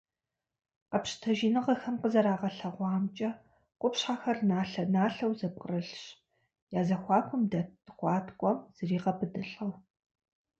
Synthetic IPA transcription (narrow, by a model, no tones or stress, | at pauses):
qɐpɕtʰɐʒiːnɨʁɐxɐmqəzɐɾaːʁɐɬɐʁʷɑːmt͡ʃʼɐ | qʷʊpɕħaxɐrnaːɬɐnaːɬɐwzɐp̚ʼqʼərɨɬɕ | jaːzɐxʷɑːkʷʰʼʊmdɐtʰɨχʷɑːtʰkʷʼɔmz̥ɨriːqɐpʰɨdɨɬʼɐw